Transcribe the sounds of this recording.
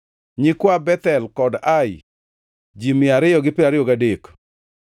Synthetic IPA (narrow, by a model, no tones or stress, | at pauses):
ɲɪkwabɛt̪ɛlkɔdaj | d͡ʒimɪaɾɪjɔɡɪpɪaɾɪjɔɡadek